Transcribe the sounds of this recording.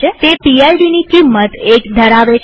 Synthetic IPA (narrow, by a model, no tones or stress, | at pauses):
et̪epielɖinikimːət̪ekd̪ʱəɾaʋe